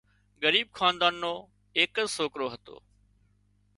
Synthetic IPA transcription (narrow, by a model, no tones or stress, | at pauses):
ɡəɾiːb̚kʰaːnd̪aːnːoː | eːkəsoːkɾoːɦət̪o̰ː